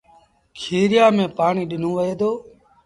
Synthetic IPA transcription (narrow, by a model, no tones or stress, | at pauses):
kʰeːɾɪjaːmẽːpaːɳiːɗɪn̤õːʋəeːd̪oː